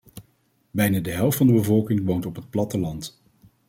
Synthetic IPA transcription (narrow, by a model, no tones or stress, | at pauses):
bɛjnaːdəɦɛlˠftfɑndəbəvɔlˠkɪŋʋowntɔpɦət̚plɑtəlɑnt